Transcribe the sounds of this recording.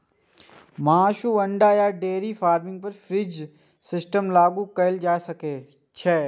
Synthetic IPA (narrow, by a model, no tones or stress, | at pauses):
maːʃuːɐɳɖajaːɖeːɾifaːɾmɪ̃ŋɡ̚pɐɾfʰɾiːd͡ʒ | sɪsʈəmlaːɡũkɐɪld͡ʒaːesɐkeː | t͡ʃʰɛː